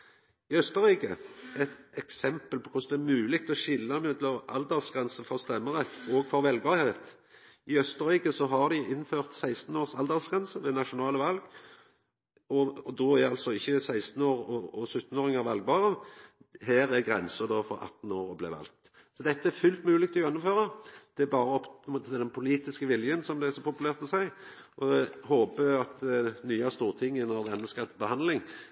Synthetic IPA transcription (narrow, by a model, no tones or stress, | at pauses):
ɪœst̪əʁiːkəɛt̪ɛksɛmpəlpɔkʰʊsd̪ɛæɾmʉːlɪkt̪ɔʃɪlːɑmʉːt̪lɔɑ̰ld̪ɛʁsɡʁɛnsəfɔʁst̪ɛmːəʁɛt̪ːɔɡfɔɾʋɛlɡɑːhet̪ | ɪœst̪əʁiːkəsɔɦɑʁd̪ɪɪnføːʁt̪sæɪst̪n̩oːʁsɑld̪əʁsɡʁɛnsəd̪ɛnɑʂʊnɑːləʋɑlɡ | ɔd̪oæɑlsɔɪçːəsæɪst̪n̩oːʁɔɔsʉt̪ːn̩oːɾɪŋəɾʋɑlɡ̚bɑːʁə | ɦæːɾæɡɾɛnsəd̪oːfɔ̰ɾɑ̰t̪ːn̩oːɾɔblɛ̰ʋɑ̰lkt̪ | sɔd̪ɛt̪ːəæɾfʉlt̪mʉːlɪk̚t̪ʰɔœnːʊmføːɾɑd̪̥ɛæbɑːɾəɔpːmoːt̪ət̪ʰɪld̪ɛnpʰʊliːt̪ɪskəʋɪljənsɔmd̪ɛæsɔpʰʊpʉlæːʁt̪ɔsæɪ | ʔɔdhoːpəɑt̪nyːɑst̪uːʁt̪ʰɪŋːənɔʁd̪ɛɛnːəskɑt̪ːbəhɑnd̪lɪŋ